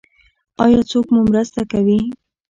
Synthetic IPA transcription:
ɑjɑt͡sokmumɾəst̪akawi

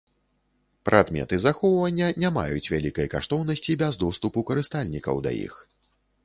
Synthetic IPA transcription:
pɾʔad̪mʲɛ̰t̪ɨzaxɔwvɐnʲːɐnʲama̰jut͡sʲvʲalʲikɐjka̰ʂt̪ɔwnɐsʲt͡sʲibʲɛzd̪ɔst̪upukɐɾɨst̪alʲnʲikɐ̰wd̪ɐ̰jḭx

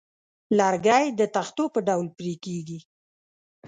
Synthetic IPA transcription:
lɑɾɡɑjd̪ət̪axt̪opəɖawlpɾekeɡi

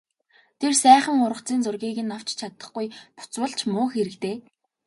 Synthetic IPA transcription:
t̪ʰersæːχə̆ŋʊɾə̆χt͡siːnt͡sʊrɣiːɣɘ̆nːaw̥t͡ɕt͡ɕʰat̪ə̆χɡujpʊ̥t͡swə̆ɮt͡ɕʰmʊːxeɾɘ̆kt̪eː

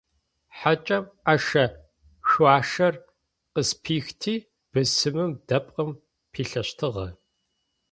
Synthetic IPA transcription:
ħat͡ʃʼɐmaʂɐ | ʃaːʂɐr | qəspʰiːxtʰiː | b̥ɨsɨmɨmdɐpʼqəm | pʰiːɬɐɕtʰɨʁɐ

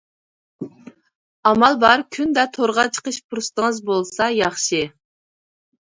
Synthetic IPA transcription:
ɑmɑlˠbɑɾkʲʰynd̪ɛt̪ʰoɾʁɑt͡ʃʰə̥qəʃpʰuɾɨst̪əŋəzbolˠsɑjɑχʃɨ

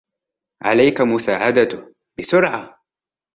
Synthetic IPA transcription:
ʕa̰lajkamʊsaːʕad̪a | bɪsʊɾʕa

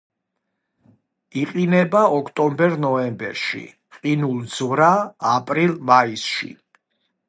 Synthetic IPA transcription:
iqʼinɛbaɔkʰt̪ʼɔmbɛɾnɔɛmbɛ̰ɾʃḭ | qʼinulˠd̪z̥vɾaːpʼɾilˠmaisʃḭ

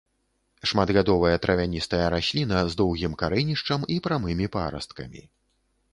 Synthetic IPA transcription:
ʂmad̪ɣad̪ɔvɨjɐt̪ɾʔɐvʲanʲist̪ɐjɐɾaɕʲlʲinɐzd̪ɔwɣʲimkaɾɛnʲiʂt͡ʂɐmipɾamɨmʲipa̰ɾɐ̰st̪kɐ̰mʲḭ

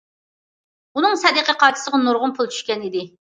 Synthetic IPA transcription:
unɨŋsɛd̪əqʰəqʰɑt͡ʃʰɪ̥səʁɑnuɾʁʊnpʰulˠt͡ʃʰy̥ʃkʲɛnid̪ɪ

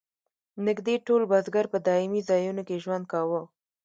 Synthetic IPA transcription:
nɪɡd̪eʈolbazɡaɾpəd̪ɑɪmizɑjunokeʒwand̪̚kɑwə

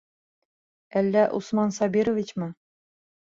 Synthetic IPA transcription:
ælːæʔṵsmɑnsɑbʲiɾŏvʲit͡ɕmɤ

